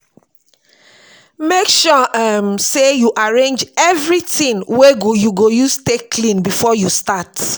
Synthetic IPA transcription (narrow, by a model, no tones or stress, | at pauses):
mekʃɔamsejuʔaɹẽnd͡ʒɛvɹitĩnweɡojuɡojustekːlĩnbifɔjustat